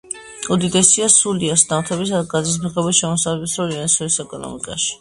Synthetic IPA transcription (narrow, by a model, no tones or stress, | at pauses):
ud̪id̪ɛsiasuliasnamt̪ʰɛbis̬ad̪ɡad̪zis̬mʁɛbiʃɛmɔsavlɛbsɾɔliansɔɾisɛkʼɔnɔ̰mḭkʼa̰ʃi̥